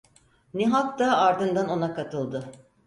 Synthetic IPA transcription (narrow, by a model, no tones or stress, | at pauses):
niɦak̚d̪aːɾd̪ɯnd̪ano̞nakat̪ʰɯlˠd̪ɯ